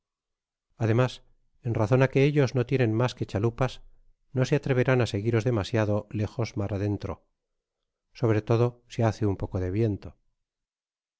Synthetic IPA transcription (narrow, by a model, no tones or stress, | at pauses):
aðe̞mas | e̞nraθo̞nake̞eʎo̞zno̞t̪je̞nẽ̞nmaske̞t͡ʃalupas | no̞seat̪ɾe̞β̞e̞ɾanase̞ɣiɾo̞zðe̞masjaðo̞le̞xo̞zmaɾʔaðe̞nt̪ɾo̞̰ | so̞β̞ɾe̞t̪o̞ð̞o̞siaθeumpo̞ko̞ðe̞βje̞nt̪o